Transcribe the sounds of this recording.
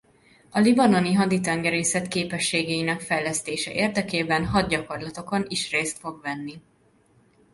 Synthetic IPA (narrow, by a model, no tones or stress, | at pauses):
ɒlibɒno̞niɦɒd̪it̪ɛŋɡɛɾeːsɛt̪keːpɛʃːeːɡɛinɛkfɛjlɛst̪eːʃɛ̰ʔeːrd̪ɛkeːbɛnɦɒd̪̚ɟɒko̞rlɒt̪o̞ko̞niʃreːst̪fo̞ɡvɛnːi